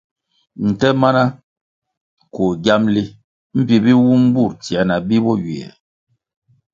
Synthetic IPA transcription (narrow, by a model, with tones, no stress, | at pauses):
n̩˨tɛ˦ma˦na˦ | ko˨ɡa˦mli˦ | m̩˦pi˨bi˦wu˦m˦bu˦˨ɾtjɛ˨na˨bi˦bɔ˦ɥi˨ɛ̰˨